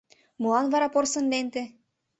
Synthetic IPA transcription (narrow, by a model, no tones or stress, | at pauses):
mɤlɑnvɑɾɑporsə̆nlent̪ĕ